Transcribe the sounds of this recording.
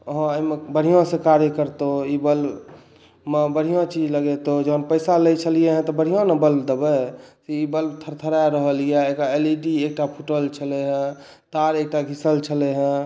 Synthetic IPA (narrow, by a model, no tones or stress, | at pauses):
əɦɔ̃əimebəɽ̤ijõsekaɾjəkəɾt̪oibəl | mẽbəɽ̤ijõt͡ʃid͡ʒləɡet̪od͡ʒənpəɪsaləjt͡ʃʰəlijeɦɛ̃t̪ɔbəɽ̤ijõnəbəlbd̪ebəsiibəlbt̪ʰəɾt̪ʰəɾajɾəɦəlijaekaeliʈiek̚ʈapʰuʈəlt͡ʃʰəleɦə̃ | t̪aɾek̚ʈaɡʱisəlt͡ʃʰəleɦɛ̃